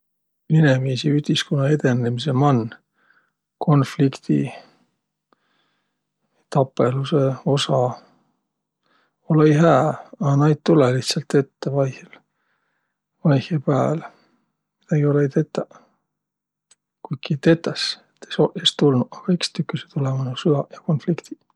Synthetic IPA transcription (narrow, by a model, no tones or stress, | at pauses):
linemiːsiyt̪ʲiskonːɑe̞d̪e̞nemise̞mɑn | kʰo̞nflikt̪ḭ | t̪ɑpːe̞luse̞o̞sɑ | olejɦæːɑnɑjd̪̚t̪ːuleliht̪sɑlt̪ːe̞t̪ːevɑjhl | vɑjhjɑpæːl | mid̪̥ɑɡ̥io̞leijt̪et̪ˑːɑ | kujkːit̪e̞t̪ˑːɑset̪ːesoʔest̪ulnuɑkɑikst̪ykːˑɑse̥t̪ulemɑnusyɑjɑko̞nflikt̪i̥